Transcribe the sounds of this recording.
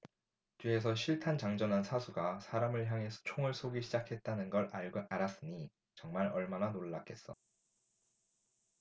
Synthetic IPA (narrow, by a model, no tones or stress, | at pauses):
t͡ɕie̞s̬ʰʌɕʰiɭtʰant͡ɕaŋd͡ʑʌnɦansʰasʰuɡasʰaɾamɯɭçjaŋɦe̞sʰʌ̥t͡ɕʰoŋɯɭsʰoɡiɕʰid͡ʑakʰe̞t̚t͈anɯnɡʌɾaɭɡaɾas͈ɯɲi | t͡ɕʌŋmaɾʌɭmananoɭːak͈ʰe̞s͈ʌ